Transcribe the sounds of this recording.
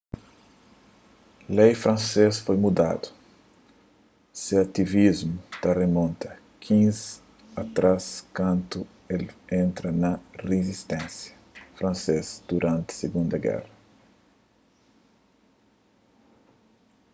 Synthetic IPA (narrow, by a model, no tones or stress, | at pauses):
lejfɾɐ̃nsesfojmud̪a̰d̪ʊ̥ | seat̪ivizmut̪aremõnt̪ʰɐ | kʰĩz | ɐt̪ɾaskɐ̃nt̪u | elẽnt̪ɾɐnɐrezist̪ɛ̃nsjɐ | fɾɐ̃nsezd̪̥uɾʔɐ̃nt̪ɪ̥seɡũnd̪ɐɡɛ̰rɐ